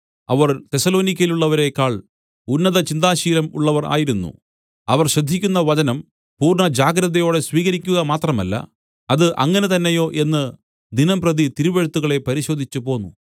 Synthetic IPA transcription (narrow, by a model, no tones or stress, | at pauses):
ɐ̰ʋɐrt̪e̞sɐlo̞ːnikʲːɐjiluɭːɐʋɐɾe̞kaːɭ | unːɐðɐt͡ɕind̪aːɕiːlɐmṵɭːɐʋɐra̰ːjiɾunːṵ | ɐʋɐrɕɐd̪ʱːikʲːun̪ːɐʋɐd͡ʑɐnɐm | puːrɳɐd͡ʑaːɡɾɐðɐjo̞ːɽe̞sʋiːɣɐɾikʲːuɣɐmaːt̪rɐmɐlːɐ̰ | ɐðɨʔɐŋːɐne̞t̪ɐnːejo̞ːʔe̞nːɨ | d̪inɐmprɐðit̪iɾuʋeɻt̪ːuɣɐɭe̞pɐɾiɕo̞ːd̪ʱit͡ɕːɨpo̞ːnːṵ